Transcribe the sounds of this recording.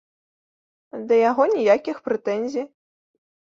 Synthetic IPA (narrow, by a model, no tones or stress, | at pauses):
d̪ɐjaɣɔnʲijakʲixpɾɛt̪ɛnʲzʲij